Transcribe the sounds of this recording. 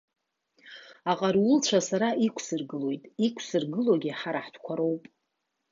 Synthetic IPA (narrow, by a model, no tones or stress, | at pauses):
aqʼaɾʊlt͡ʃʷʰasaɾaʔikʷʰsɨrɡɨlo̞jtʼikʷʰsɨrɡɨloɡʲiħaɾaħtʷʰkʷʰaɾo̞wpʼ